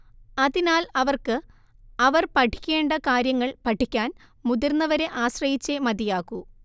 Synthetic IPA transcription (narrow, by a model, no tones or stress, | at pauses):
ɐðinaːlɐʋɐrkɨ | ɐʋɐrpɐʈʰi̥kʲːe̞ːɳɖɐkaːɾjɐŋːɐɭpɐʈʰːikʲːaːn | muðɐrnːɐʋɐɾe̞ʔaːɕrɐjit͡ɕːemɐd̪ijaːkːu